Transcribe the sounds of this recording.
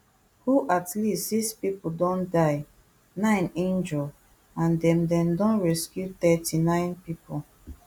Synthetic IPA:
huʔatlistdispipodɔ̃ndaɪ | nãɪ̃nẽnd͡ʒɔl | ãndɛ̃mdɛ̃mdɔ̃nɹɛskjut̪ɛtinãɪ̃npipo

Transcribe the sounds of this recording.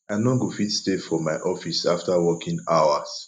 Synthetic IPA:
ãnoɡofitstefɔmaɪʔɔfisaftawɔkʰĩŋaʊas

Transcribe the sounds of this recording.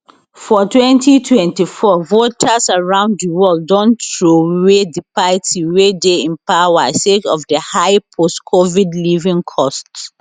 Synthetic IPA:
fɔtʰwɛ̃ntitʰwɛ̃ntifɔvotʰasaɹãʊ̃nddəwɔlddɔ̃ntɹowedipaɪtsiwedeĩnpawasekɔfdəhaɪpʰostkʰovidlivĩŋkʰɔst

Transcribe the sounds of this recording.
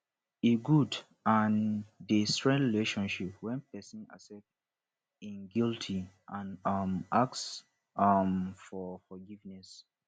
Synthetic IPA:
iɡud | ãndestɹɛ̃ndɹileʃɔ̃nʃip̚wɛ̃npɛsĩna̰sɛk̚t | ĩnɡiltʰiʔãnʌmʔaks | ʌmfɔfɔɡivnɛs

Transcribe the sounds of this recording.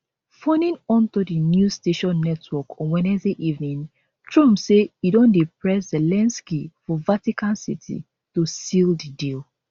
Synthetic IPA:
fɔ̃nĩnɔ̃ntudinjusteʃɔ̃nːɛtʰwɔkɔ̃nwɛ̃nɛzdeʔivnĩn | tɹũmseidɔ̃ndipɹɛszɛlɛ̃nskifɔvatikãnsḭtʰḭ | tusildidil

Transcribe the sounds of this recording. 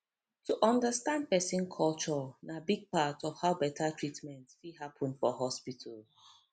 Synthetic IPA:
tʰuʔɔ̃ndəstãnd̚pɛsĩnkʰɔlt͡ʃɔnabiɡ̚patɔv̥haʊbɛtʰətʰɹitmɛ̃ntfiɦapʰə̃nfɔɦɔspitʰəl

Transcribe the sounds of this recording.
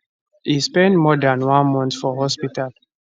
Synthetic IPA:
hispɛ̃ntmɔdãnwãnmɔ̃ntfɔɦɔspital

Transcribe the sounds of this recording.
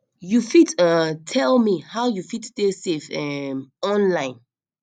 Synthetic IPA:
jufitãtʰɛlmihawjufitstesefɛmɔ̃nlãɪ̃n

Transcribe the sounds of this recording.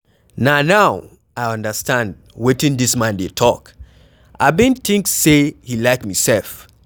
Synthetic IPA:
nanaʊ | ʔaɪʌ̃ndəstãnd̚ | witĩndismãndetʰɔk | ʔaɪbĩnθĩŋksehilaɪkmisɛlf

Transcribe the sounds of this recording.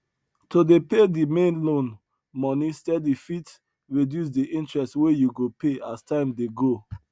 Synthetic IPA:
todepedimẽnlõn | mɔnistɛdifit | ɹidjus̬diʔĩntɹɛstwejuɡopʰeʔastãɪ̃mdeɡo

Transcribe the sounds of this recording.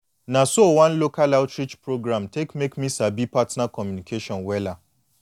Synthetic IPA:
nãsowãnlokʰalaʊtʰɾit͡ʃpʰɾoɡɾãmtʰekmekmĩsabipʰatnakʰɔmjũnikʰeʃɔ̃nwɛla

